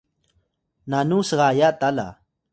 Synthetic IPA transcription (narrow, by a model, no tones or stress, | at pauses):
nanuːsəɣaːjat̪ala̰